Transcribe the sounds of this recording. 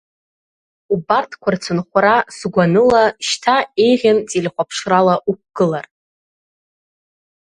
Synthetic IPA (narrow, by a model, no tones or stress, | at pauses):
ubartʰkʷʰart͡sʰɨnχʷɾasɡʷanɨlaʃtʰaejʁʲant͡sʼilʲχʷapʰʂralaʔuk̚ʷʰɡ̥ɨlar